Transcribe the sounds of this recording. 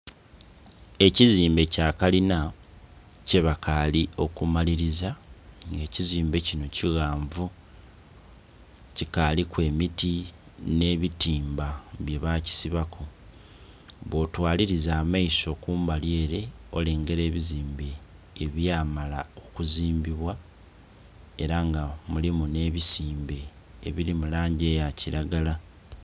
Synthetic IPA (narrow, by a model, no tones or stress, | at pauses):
e̞ciziːmbe̞caːkalina | ce̞βakalio̞kumaliɾizaŋɡe̞ːciziːmbe̞cino̞ciɣaːɱvu | cikalikwe̞ːmiti | ne̞βitiːmbaβje̞βaci̥siβakʰo̞ | βo̞twaːliɾizaːmaiso̞kuːmbalje̞ːɾe̞o̞̰leːŋɡe̞ɾe̞ːβiziːmbe̞ː | βjaːmalao̞kuziːmbiβwa | e̞ɾaŋɡamulimune̞ːβisiːmbe̞ː | βiɾimulaːɲɟe̞ːjaciɾaɡala